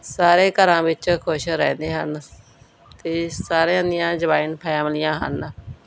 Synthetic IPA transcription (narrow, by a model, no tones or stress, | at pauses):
saːɾeːkəɾãːʋɪt͡ʃkʰʊʃɾɛ̃ːnd̪eːɦən | t̪eːsaːɾãːd̪ɪjãːd͡ʒəbaːɪnpʰɛːmlɪjãːɦə̰n